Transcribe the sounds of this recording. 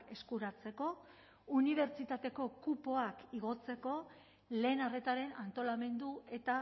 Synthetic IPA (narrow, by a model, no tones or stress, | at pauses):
ke̞skuɾat͡se̞ko̞ | uniβ̞e̞ɾt͡ʃit̪at̪e̞ko̞kupo̞akiɣo̞t͡se̞ko̞ | le̞ːnare̞t̪aɾe̞nant̪o̞lame̞nd̪ue̞t̪a